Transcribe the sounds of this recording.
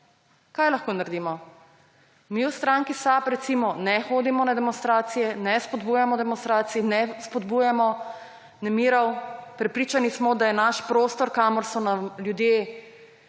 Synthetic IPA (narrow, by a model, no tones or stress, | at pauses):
kajlaxkoːnaɾd̪imɔ | miwst̪ɾaŋkisapɾɛt̪simɔnɛxoːd̪imɔnad̪ɛmɔnst̪ɾaːt̪sijɛnɛspɔd̪buːjamɔd̪ɛmɔnst̪ɾaːt̪siinɛspɔd̪buːjamɔ | nɛmiːɾawpɾɛpɾiːt͡ʃanismɔd̪ajɛnaʃpɾoːst̪ɔɾkaːmɔɾsɔnamljud̪je